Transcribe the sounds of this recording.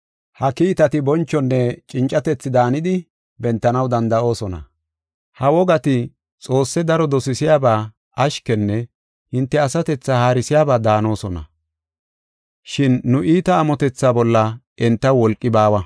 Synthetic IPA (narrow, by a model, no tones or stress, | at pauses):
hɐkiːt̪ɐt̪ɪbɔnt͡ʃːɔnːɛt͡ʃʼɪnt͡ʃʼːɐt̪ɛt͡sːɪd̪aːnɪd̪ɪ | bɛnt̪ːɐnɐwd̪ɐnd̪ɐʔo̞ːsɔnɐ̰ | hɐwɔɡɐt̪ɪ | t͡sʼo̞ːsːɛd̪ɐɾɔd̪ɔsɪsɪjaːbaː | ɐʃkɛnːɛ | hɪnt̪ːɛɐsɐt̪ɛt͡sːahaːɾɪsɪjaːbaːd̪aːno̞ːsɔnɐ̰ | ʃɪnːʊʔiːt̪ɐːmɔt̪ɛt͡sːaːbɔlːɐ | ɛnt̪ːɐwɔlkʼːɪbaːwɐ